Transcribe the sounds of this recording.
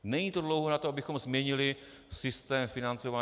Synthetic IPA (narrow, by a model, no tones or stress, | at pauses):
nɛɲiːt̪o̞dlo̞wɦonat̪oʔabɪxo̞mzmɲɛɲɪlɪ | sɪst̪ɛːmfɪnant͡so̞vaː